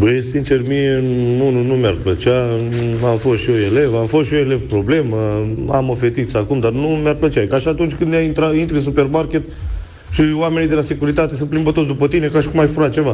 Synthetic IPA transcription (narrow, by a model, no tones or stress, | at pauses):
bəjsint͡ʃe̞rmijeununumʲarplət͡ʃaamfost̪ʃio̞ele̞vamfo̞st̪ʃio̞elevpɾo̞ble̞məa̰mo̞fe̞t̪it̪sakumd̪arnumearplət͡ʃakaʃiat̪unt͡ʃʲkɨnd̪naint̪ɾaint̪ɾɨns̬upe̞rmarkʲe̞t̪ | ʃiwame̞nijd̪elasekuɾit̪at̪e̞s̬ɨnplimbət̪osd̪upət̪ine̞kaʃi̥kumaʃfuɾat̪̚t͡ʃe̞va